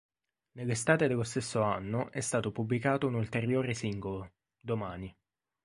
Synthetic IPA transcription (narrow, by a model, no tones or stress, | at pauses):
nelːest̪aːt̪ed̪elːost̪esːoanːoʔɛst̪aːt̪opublikaːt̪ounult̪eɾjoːɾesiŋɡolo | d̪omaːni